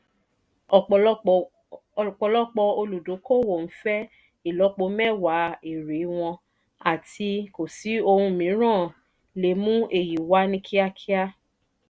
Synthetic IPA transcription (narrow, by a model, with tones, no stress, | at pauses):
ɔ˨k͡p | k͡pɔ˧lɔ˦k͡pɔ˧o˧lu˨do˨˦ko˦˨wo˨n̩˨˦fɛ˦ | i˦˨lɔ˨˧˦k͡po˧mɛ˦˨wa˨˦i˨ɾe˨˦w̃ɔ̃˧ | a˨tʰi˧ko˨si˨˦o˧hũ˧mĩ˨˦ɾ̃ã˦˨ | le˨mũ˦ʔe˦˨ji˨wa˦nĩ˦kʰi˦a˦kʰi˦a˦